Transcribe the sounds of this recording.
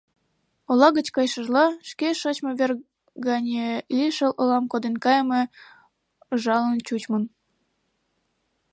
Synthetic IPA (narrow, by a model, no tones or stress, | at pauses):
olɑɣət͡ɕkɑjʃəʒlɑʃkeʃot͡ɕmoβer | ɡɑnʲelʲiʃəlʔolɑmkod̪enkɑjme | ʒɑlənt͡ɕut͡ɕmən